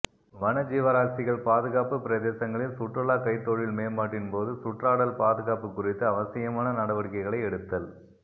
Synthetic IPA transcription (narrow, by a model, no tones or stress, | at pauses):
ʋɐnɐd͡ʒiːʋɐɾaːsɪɣɐɭpaːðɯɣaːpɯpɪɾɐðeːsɐŋɡɐɭɪlsʊʈrɐɭaːkɐɪt̪ːoːɻɪlmeːmaːʈːɪnpoːðɯsʊʈraːɽɐlpaːðɯɣaːpɯkːʊrɪt̪ːɯɐʋɐsɪjɐmaːnɐnɐɽɐʋɐɽɪkːɐɪɣɐɭɐɪɛɽɯt̪ːɐl